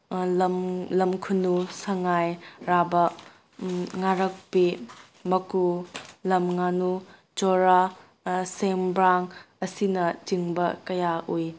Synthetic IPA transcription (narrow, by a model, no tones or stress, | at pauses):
mlɐmkʰunusɐŋajɾabɐ | ŋaɾɐk̚pi | mɐkulɐmŋanu | t͡ʃoɾa | sembɾaŋ | ɐsinɐd͡ʒiŋbɐkɐjaʔuj